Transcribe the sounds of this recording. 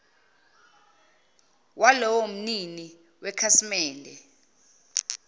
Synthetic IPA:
wʔalɔwom̩nini | wɛkʰasimɛːndʱɛ

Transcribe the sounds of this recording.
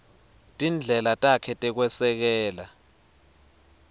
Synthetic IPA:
tʼind͡ɮʱɛlatʼakʰɛtʼɛk̬wɛsɛk̬ɛːla

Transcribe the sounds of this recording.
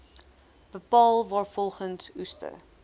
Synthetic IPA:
b̥əpɑːlˠvɑːrfɔlˠχənsustə̰

